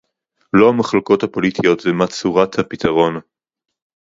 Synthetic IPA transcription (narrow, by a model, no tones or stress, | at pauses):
lo̞hamaχloko̞thapo̞litʰijo̞tvemat͡suʁathapit̪ʰɐʁo̞n